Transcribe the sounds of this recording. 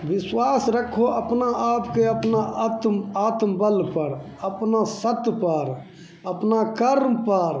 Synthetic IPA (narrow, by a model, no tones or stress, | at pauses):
ʋɪswaːsɾəkʰːoʔəpnaʔaːpkeəpnat̪aːt̪mbəlpəɽ | əpnasət̪pəɾ | əpnakəɾmpəɾ